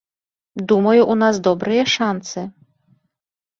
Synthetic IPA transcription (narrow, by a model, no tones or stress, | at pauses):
d̪umajuʔunazd̪ɔbɾɨjɛʂant̪sɨ